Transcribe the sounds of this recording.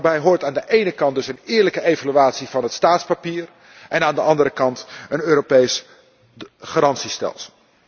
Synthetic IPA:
bɛjɦʊːɹtaːndəʔejnəkɑndɵsənɪːɹləkəejvalyaːtsiv̥ɑnɦətstaːtspapiːr | ʔɛnaːndəʔɑndəɾəkɑntənøːɾopejs | χaɾɑntsistɛ̰lˠsəlˠ

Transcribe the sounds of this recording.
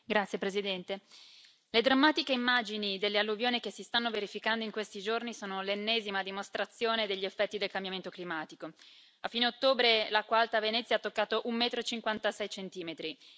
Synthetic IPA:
ɡɾat̪sjepɾezid̪ɛnt̪e | led̪ɾamːat̪ikeimːaːd͡ʒinid̪elːealːuvjoːnikesːist̪anːoveɾifikand̪oiŋkwest̪id͡ʒornisoːnolenːɛːzimad̪imost̪ɾat̪sːjoːned̪eʎːiefːɛt̪ːid̪elkambjament̪oklimaːt̪iko | afːiːneot̪ːoːbɾelakːwalt̪avenɛt̪sːjaat̪ːokːaːt̪oʔumːɛːt̪ɾot͡ʃiŋkwant̪asɛjt͡ʃent̪iːmet̪ɾi

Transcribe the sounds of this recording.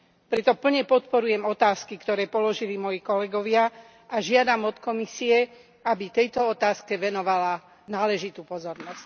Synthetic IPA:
pɾɛt̪ɔp̩ɲɛpɔt̪pɔɾujɛmɔt̪aːskikt̪ɔɾɛːpɔlɔʒilimɔjikɔlɛɡɔʋɪa | ʔaʒɪad̪amɔt̪kɔmisiɛ | abit̪ɛjt̪ɔɔt̪aːskɛʋɛnɔʋala | naːlɛʒit̪uːpɔzɔɾnɔsc

